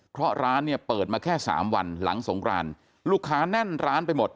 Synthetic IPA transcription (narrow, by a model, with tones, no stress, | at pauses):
pʰɾɔ˦˥ɾaː˦˥nːi˥˩pɤː˨˩t̪̚maː˧kʰɛː˥˩sa̰ː˩˦mwa˧nla̰˩˦ŋso˩˦ŋkɾa̰ː˧n | luː˥˩kʰːaː˦˥nɛ˥˩nɾaː˦˥npa˧jmo˨˩t̪̚